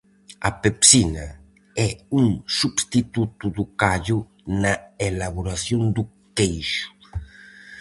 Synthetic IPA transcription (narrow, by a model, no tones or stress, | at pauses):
a̰pepsina | ɛuŋsubst̪it̪ut̪ud̪ukaʎu | naelaβuɾaθjond̪u | kejʃu̥